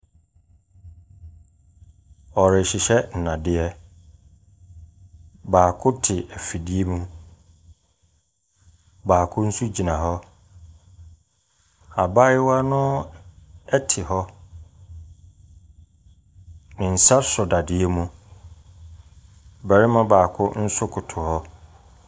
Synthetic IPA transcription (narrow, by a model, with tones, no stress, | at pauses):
ɔ˨ɾɪ˨ɕɪ˨ɕɛ˦n̩˨nã˨dɪ˦ɛ˦ | baː˨kʰʊ˦tʰɪ˨ɛ˨fi˨dɪ˦e˦mũ˦ | baː˨kʰʊ̃˦n̩˦su˦d͡ʑi˨nã˨ɦɔ˦ | a˨ba˦jɪ˦wa˦nʊ̃˦ | ɛ˦tʰɪ˨hɔ˦ | nɪ̃˨n̩˨sa˦sʊ˨da˨dɪ˨ɛ˦mũ˦ | bɛ˨ɾɪ˦mã˦baː˨kʰʊ˦n̩˦sʊ˦kʰʊ˨tʰʊ˨hɔ˦